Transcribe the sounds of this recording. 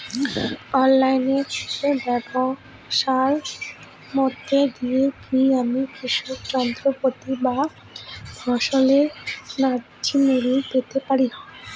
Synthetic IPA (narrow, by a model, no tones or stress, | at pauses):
ɔnlajneɾt̪ʰe̥kebɛbo | ʃaɾ | mɔt̪ːed̪iekiamikɾiʃokd͡ʑɔnt̪ɾopot̪iba | bʱɔʃoleɾna | d͡ʑimuɾipet̪epaɾina